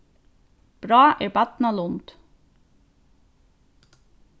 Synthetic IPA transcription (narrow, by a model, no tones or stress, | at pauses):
b̥ɾɑːʔæːɹbɑt̪nɑlʊnt̪